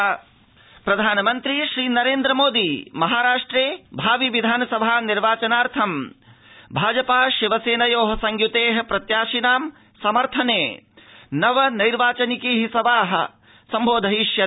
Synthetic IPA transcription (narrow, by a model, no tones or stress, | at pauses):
pɾɐd̪ʱaːnɐmɐnt̪ɾiʃɾiːnɐɾeːnd̪ɾɐmoːd̪imɐɦaːɾaːʂʈɾeːbʱaːʋiʋid̪ʱaːnɐsɐbʱaːniɾʋaːt͡ʃɐnaːɾt̪ʰɐm | bʱaːd͡ʒɐpaːʃiʋɐseːnɐjoːɦɐsɐŋɡjut̪eːɦɐ̆pɾɐt̪jaːʃinaːm | sɐmɐɾt̪ʰɐneː | nɐʋɐnɐjɾʋaːt͡ʃɐnikiːɦisɐʋaːɦɐ̆ | sɐmbʱoːd̪ʱɐɦiʃjɐ